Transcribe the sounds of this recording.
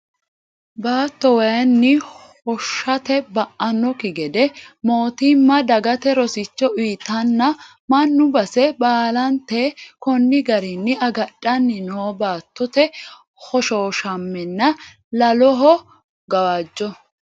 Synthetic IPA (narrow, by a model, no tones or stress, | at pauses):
baːt̪ːɔwɐjɐnːɪhɔʃːɐt̪ɛbɐʔɐnːɔkɪɡɛd̪ɛmoːt̪ɪmːɐd̪ɐɡɐt̪ɛɾɔsɪt͡ʃːɔʔiːt̪ːɐnːɐ | mɐnːʊbɐsɛbaːlɐnt̪ɛkɔnːɪɡɐɾɪnːɪɐɡɐɗɐnːɪnɔbaːt̪ːɔt̪ɛ | hɔʃoːʃɐmːɛnːɐ | lɐlɔɦɔ | ɡɐwaːd͡ʒːɔ